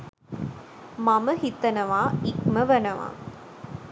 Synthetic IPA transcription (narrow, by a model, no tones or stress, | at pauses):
mɐmɐɦit̪ːɐnɐʋaːikmɐʋɐnɐʋa̰ː